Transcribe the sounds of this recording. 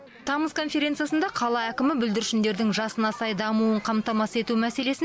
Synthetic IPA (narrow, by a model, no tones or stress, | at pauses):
t̪ʰɑməzkʰo̞nfʲe̞ɾʲe̞nt̪sɨjasənd̪ɑqʰɑlˠɑækʲɪmɪbʏld̪ɪɾɪʃɪnd̪e̞ɾd̪ɪŋʒɑsənɑsɑjd̪ɑmuəɴqʰɑmt̪ɑmɑse̞t̪umæse̞le̞sɪ